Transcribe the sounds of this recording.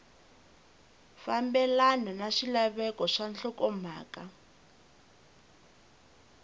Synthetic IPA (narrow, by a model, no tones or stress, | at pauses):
fambɛlanɔnaʂilaβɛkɔʂanɬɔkɔm̤aːka